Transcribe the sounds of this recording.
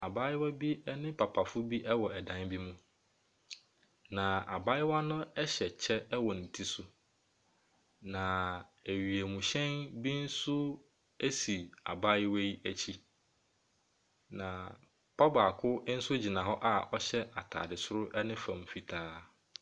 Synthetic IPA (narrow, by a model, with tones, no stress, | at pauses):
a˨ba˦jɪ˦wa˦bi˦ɛ˦nɪ̃˦pʰa˨pʰa˨fʊ˦bi˦ʔɛ˦wɔ˨ɛ˨dã˨˦nbi˦mũ˦ | nã˨a̰˨ba˦jɪ˦wa˦nʊ̃˦ɛ˦ɕɛ˨t͡ɕʰɛ˦ɛ˦wɔ˨nɪ̃˨tʰi˨sʊ˦ | nã˨æ˨ɥi˨e˨mũ˨ɕɛ̃˦nbi˦n̩˦sʊ˦ | e˦si˨a̰˨ba˦jɪ˦we˦ji˦ʔæ˦t͡ɕʰi˦ | nã˨ | pʰa˦ba˨kʰʊ˦n̩˦sʊ˦d͡ʑi˨nã˨ɦɔ˦ʔa˦˨ɔ˦ɕɛ˦a̰˨tʰa̰ː˨dɪ˨sʊ˦ɾʊ˦ʔɛ˦nɪ̃˦fã̰˨m˨fi˨tʰaː˦